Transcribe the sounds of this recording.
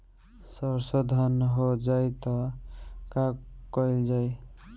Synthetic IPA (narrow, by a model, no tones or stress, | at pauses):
sɔɾsɔd̪ʱanɦod͡ʒajt̪ɔ | kakɔjld͡ʒaj